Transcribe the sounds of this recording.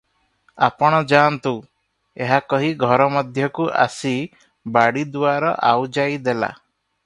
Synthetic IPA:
apɔɽ̃ɔd͡ʒant̪u | eɦakɔɦiɡʱɔɾɔmɔd̪ʱjɔkuʔa̰si | baɽid̪uaɾɔ̰ʔawd͡ʒajd̪ela̰

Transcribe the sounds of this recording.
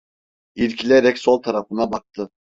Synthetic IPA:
iɾcʰilʲeɾɛcsolˠt̪ʰaɾafɯnabak̚t̪ʰɯ

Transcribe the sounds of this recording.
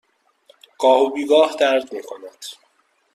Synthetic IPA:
ɡ̥ɒːhobiːɡɒːhd̪æɾd̪miːkʰonæd̪̥

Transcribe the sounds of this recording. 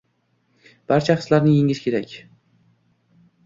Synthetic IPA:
b̥aɾt͡ʃʰaqʰɨ̥slaɾnɪjeŋʲɪʃkʲʰeɾakʲ

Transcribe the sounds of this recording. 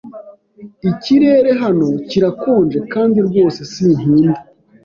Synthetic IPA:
iciɾe̞ːɾe̞ɦano̞ciɾakoːnd͡ʒe̞kaːndiɾɟo̞ːse̞sin̥iːnbi

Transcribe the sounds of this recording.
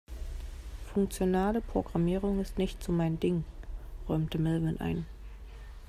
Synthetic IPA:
fʊŋk̚t͡sjonaːləpʁ̥oɡʁamiːʁ̞ʊŋɪstnɪçtz̥omaɪndɪŋʁɔʏmtəmɪlvənʔa̰ɪn

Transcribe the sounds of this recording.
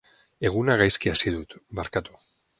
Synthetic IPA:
e̞ɣunaɣ̞ajskiasið̞ut̪baɾkat̪u̥

